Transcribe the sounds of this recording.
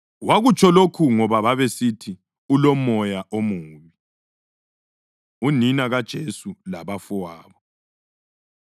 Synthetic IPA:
waɣut͡ʃʰʼɔlokʰuŋɔβaβaβesitʰi | ulɔmɔjaʔomuːβi | uninaɣad̥ʒ̥ʱesulaβafɔwaːβɔ

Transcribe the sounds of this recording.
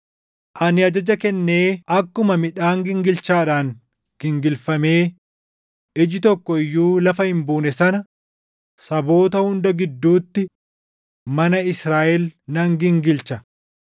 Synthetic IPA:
ʔɐnɪɐd͡ʒɐd͡ʒɐkɛnːe̞ːɐkːʊmɐmɪᶑaːŋɡɪŋɡɪlt͡ʃaːᶑaːŋ | ɡ̥ɪŋɡɪlfɐme̞ː | ɪd͡ʒɪt̪ɔkːɔɪjːuːlɐfɐhɪmbuːnɛsɐnɐ | sɐbo̞ːt̪ɐhʊnd̪ɐɡɪd̪ːuːt̪ːɪ | mɐnɐɪsɾaːʔɛlnɐŋɡɪŋɡɪlt͡ʃɐ

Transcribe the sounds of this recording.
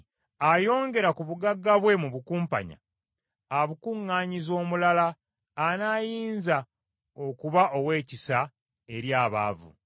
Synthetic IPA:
ajo̞ːŋɡe̞ɾakuβuɡaɡːaβwe̞muβukuːmpa̰ɲa̰ː | βukuŋːaːɲizo̞ːmulalaː | najiːnza | okuβaʔo̞we̞ːcisa | e̞ɾjaːβa̰ːvṵ

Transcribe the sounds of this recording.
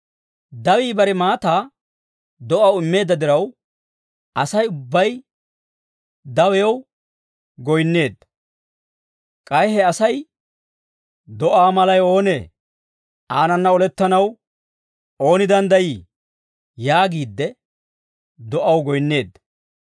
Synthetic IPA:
d̪ɐwiːbɐɾɛmaːt̪aː | d̪ɔʔɐwɪmːe̞ːd̪ːɐd̪ɪɾɐw | ʔɐsɐjʊbːɐj | d̪ɐwɛjw | ɡɔjnːe̞ːd̪ːɐ | kʼɐjhɛɐsɐj | d̪ɔʔaːmɐlɐjo̞ːneː | aːnɐnːɐɔlɛt̪ːɐnɐw | o̞ːnɪd̪ɐnd̪ɐjiː | jaːɡiːd̪ːɛ | d̪ɔʔɐwɡɔjnːe̞ːd̪ːɐ

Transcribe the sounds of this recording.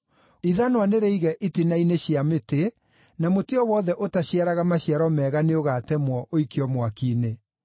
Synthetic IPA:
iðanwaneɾɛiɣɛʔitinaineɕjamete | namoteɔwɔːðɛʔotaɕiaɾaɣamaɕjaɾɔmɛɣaneoɣatɛmwɔʔoikeɔmwakine

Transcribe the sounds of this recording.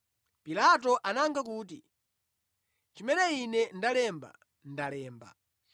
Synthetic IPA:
pilat̬ɔʔanaŋɡak̬uːt̬i | t͡ʃimɛnɛinɛndalɛmba̰ | n̩dalɛːmba̰

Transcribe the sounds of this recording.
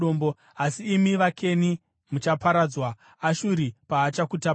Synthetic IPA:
oːmbo | asiːmiʋakʰe̞ni | mut͡ʃapaɾad͡zwaː | ʃuɾipaːt͡ʃakuta

